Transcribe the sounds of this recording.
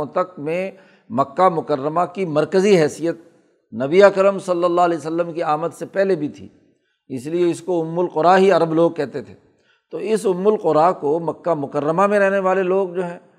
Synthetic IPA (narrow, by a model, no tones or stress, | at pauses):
t̪ɐk̚mẽ | mɐkːamʊkəɾːəmakimɐɾkəziɦɛːsijət̪̚ | nɐbiakəɾəmsɐlːəlːaːlɛsəlːəmkiaːmət̪sepɛɦlebʱit̪ʰḭː | ɪslieɪskoʊmːʊlqʊɾaːɦiɐɾəbloːɡ̚kɛɦt̪et̪ʰe̥ː | t̪oɪsʊmːʊlqʊɾaːkomɐkːamʊkəɾːəmamẽɾɛɦneʋaːleloːɡ̚d͡ʒoːɦɛ̃ː